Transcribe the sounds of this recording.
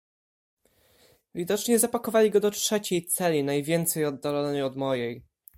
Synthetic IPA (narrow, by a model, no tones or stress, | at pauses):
vʲid̪ɔt͡ʂɲɛzapakɔvalʲiɡɔd̪ɔtʂɛt͡ɕejt̪sɛlʲinajvʲjɛnt̪sɛjɔd̪ːalɔnəjɔd̪mɔjɛj